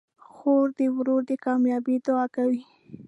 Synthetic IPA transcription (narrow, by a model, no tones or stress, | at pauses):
xoɾd̪əwɾoɾd̪əkɑmjɑbid̪ʊɑkawi